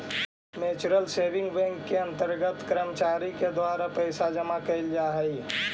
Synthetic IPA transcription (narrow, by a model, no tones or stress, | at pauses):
meːt͡ʃɾəlseːʋɪ̃ŋɡbɛ̃ŋkːeɐ̃nt̪əɾɡət̪kɾəmt͡ʃaːɾiked̪waːɾapəɪsad͡ʒəmakɐɪld͡ʒaːɦəi